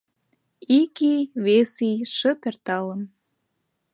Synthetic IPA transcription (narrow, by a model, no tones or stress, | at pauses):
ikiβesiʃə̆pert̪ɑlə̆m